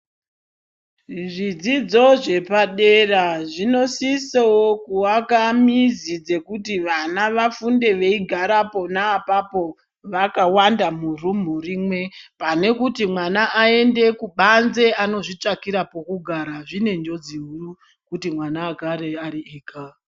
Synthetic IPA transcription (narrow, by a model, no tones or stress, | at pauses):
ʐid͡zid͡zo̞ʐe̞paɗe̞raʐino̞sisewokuwakamizid͡ze̞kutiʋanaʋafunde̞ʋe̞iɡʱaɾapo̞naːpapo̞ | ʋakawandamurum̤urimwe̞pane̞kutimwanaʔae̞nde̞kuɓanze̞ano̞ʐit͡ʂakiɾapo̞kuɡʱaɾaʐine̞nd͡ʒo̞d͡ziɦuu | kutimwanaːkaɾeaɾiʔeːka